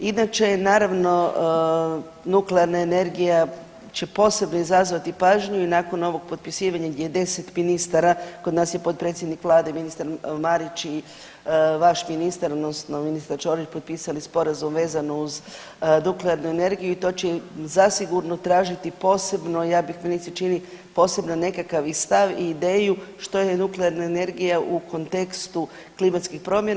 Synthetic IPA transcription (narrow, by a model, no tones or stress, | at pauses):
inat͡ʃe̞naːɾaʋno̞ | nukleaɾnaene̞ɾɡija | t͡ɕe̞po̞ːse̞bnoizazʋat̪ipaːʒɲuinaːko̞no̞ʋo̞ɡ̚po̞t̪̚pisiːʋaɲaɡd̪jejed̪e̞set̪minist̪aɾako̞d̪naːsje̞po̞t̪̚pɾe̞t̪sjed̪nikʋlˠaːd̪eminist̪aɾmaɾit͡ʃi | ʋaʃminist̪aɾod̪no̞sno̞minist̪aɾt͡ʃo̞ːɾit͡ʃpo̞t̪̚piːsalispo̞ɾazumʋe̞ːzanouz | nukleaɾnuene̞ɾɡijuit̪o̞ːt͡ɕezasiɡuɾno̞t̪ɾaːʒit̪ipo̞ːse̞bnojaːbixminit̪sit͡ʃini | po̞ːse̞bnane̞kakaʋist̪aʋiːd̪e̞ːjuʃt̪o̞jenukleaɾnaene̞ɾɡijaʔukʰo̞nt̪e̞kst̪u | klimat̪skixpɾo̞mjen